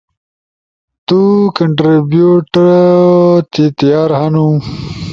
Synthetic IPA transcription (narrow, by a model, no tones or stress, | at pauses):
t̪ukɐɳʈɾibjuːʈɾ | t̪it̪jaːɾhɐnu